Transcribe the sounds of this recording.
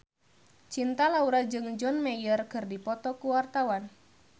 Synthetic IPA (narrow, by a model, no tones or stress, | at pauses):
t͡ʃint̪alauɾad͡ʒɨŋd͡ʒɔnmɛjərkɨrdipɔt̪ɔkuwart̪awan